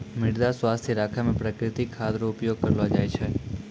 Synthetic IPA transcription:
mɪɽd̪asʋast̪ʰiɾakʰamẽpɾəkɾɪt̪ikʰːad̪ɾoʊpjoɡ̚kəɾlad͡ʒajt͡ʃʰe

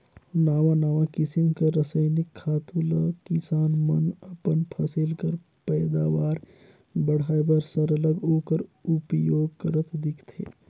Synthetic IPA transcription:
naːʋanaːʋakɪsɪmkaɾəsəjnɪkʰːaːt̪ulakɪsaːnmənəpənpʰɐsɪlkəɾ | pɛːd̪aːʋaːɾ | bəɽ̤aːjbəɾsəɾələɡoːkəɾupjoːɡkəɾət̪d̪ɪkʰt̪ʰḛː

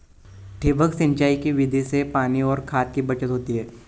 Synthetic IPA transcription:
ʈʰeːbəksɪ̃ɲt͡ʃaːikiʋɪd̪ʱisepaːniɔːɾkʰaːt̪̚kibɐt͡ʃət̪ɦoːt̪iɦɛː

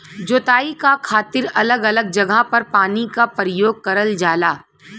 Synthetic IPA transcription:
d͡ʒoːt̪aːikakʰaːt̪ɪɾɐləɡɐləɡ̚d͡ʒɐɡʱapɐɾpaːnikapɾəjoːɡ̚kɐɾəld͡ʒaːlaː

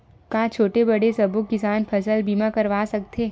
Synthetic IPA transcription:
kãːt͡ʃʰoːʈebɐɽesɐbʊkːɪsaːnpʰɐsəlbiːmakɐɾʋaːsɐk̚t̪ʰeː

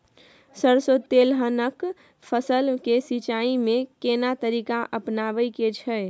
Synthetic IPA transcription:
səɾsot̪ːelɦənək | pʰəsəlkesit͡ʃaimẽkenat̪əɾikaʔəpnabəjket͡ʃʰɛ

